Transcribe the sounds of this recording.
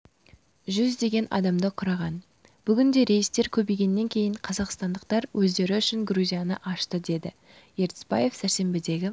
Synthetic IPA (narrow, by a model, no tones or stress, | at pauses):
ʒʏzd̪e̞ɡʲe̞nʔɑ̰d̪ɑmd̪əqʰʊɾɑʁɑn | b̥ʏɡʲɪnd̪e̞ɾe̞jɪst̪e̞ɾkʲʰɵbejɡʲe̞nːe̞ŋkʲʰe̞jɪɴqʰɑzɑqst̪ɑnd̪əq̚t̪ɑɾwʔɵzd̪e̞ɾɪʏʃɪŋɡruzʲijɑnəʔɑʃt̪əd̪e̞d̪ɪ | je̞ɾt̪ɪ̥sbɑ̰je̞fsæɾse̞mbɪd̪e̞ɡʲɪ